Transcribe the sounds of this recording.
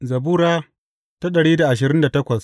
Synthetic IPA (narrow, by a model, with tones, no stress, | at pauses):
zɐ˨buː˦ɾaː˦ | ta˦ɗɐ˨ɽiː˦da˨ʔa˨ʃ̬ɪ˨ɾɪ˦nda˨tɐ˦kʷɐ˨s